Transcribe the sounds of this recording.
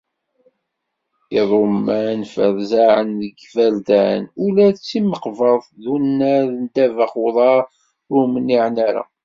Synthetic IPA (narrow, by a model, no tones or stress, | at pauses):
iðˤomːænfəɾzaʕənðəɡvæld̪ænulæðət͡sːiməqvəðˤðunːæðənd̪ævəχwðˤɑɾ | ʊmənːiʕnaɾa̰